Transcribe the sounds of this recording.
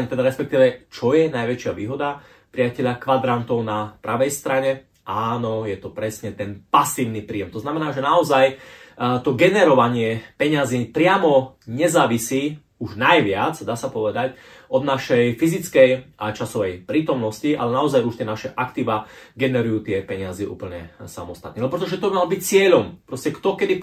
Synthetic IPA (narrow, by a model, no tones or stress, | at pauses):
ɛmt̪ɛd̪aɾɛspɛk̚t̪iːʋɛt͡ʃɔjɛnajʋɛt͡ʃɪaʋḭːɦɔd̪a | pɾiacɛʎakʋad̪ɾant̪ɔʊnapɾaʋɛjst̪ɾaɲɛ | ʔaːnɔjɛt̪ɔpɾɛsɲɛt̪ɛnpasiːʊnipɾiːjɛmt̪ɔznamɛnaːʒɛnaɔzaj | t̪ɔɡɛnɛɾɔʋaɲɪɛpɛɲaziːpɾɪamɔɲɛzaːʋisiː | uʒnajʋɪad͡zd̪aːsapɔʋɛd̪ac | ɔd̪naʃɛjfizit͡skɛjʔat͡ʃasɔʋɛjpɾiːt̪ɔmnɔsciʔa̰lɛnaɔzajuʃt̪ɪɛnaʃɛʔakt̪iːʋaːɡɛnɛɾujuːt̪ɪɛpɛɲazɛʔṵːpl̩ɲɛ̰sa̰mɔst̪at̪niːalɛbɔpɾɛt̪ɔʒɛt̪ɔbimalɔbic̚t͡sɪɛʎɔmpɾɔscɛkt̪ɔkɛd̪i